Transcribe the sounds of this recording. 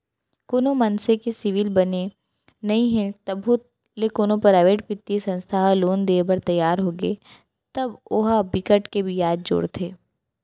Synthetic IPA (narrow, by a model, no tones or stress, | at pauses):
koːnomɐnsekesɪʋɪlbɐne | nɐɦĩɦɛ̃t̪ɐbɦo | lekoːnõpɾaːɪʋeːʈpɪt̪ːesɐ̃nst̪ʰaːɦloːnd̪eːbɐɾt̪ɐjːaːɾɦoːɡəe | t̪ɐbʊɦabɪkəʈkebʱijaːd̪̚d͡ʒo̰ːɽt̪ʰeː